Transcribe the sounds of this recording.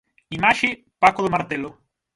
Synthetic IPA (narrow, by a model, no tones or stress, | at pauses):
imaʃi | pakoðomaɾt̪elo